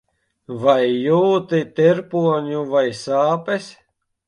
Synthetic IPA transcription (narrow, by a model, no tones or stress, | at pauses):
vajːuːt̪it̪eɾpuɔɲuvajsaːpɛs